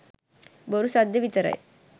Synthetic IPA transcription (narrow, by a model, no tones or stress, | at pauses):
boɾusɐd̪jɐʋit̪ɐɾɐ̰j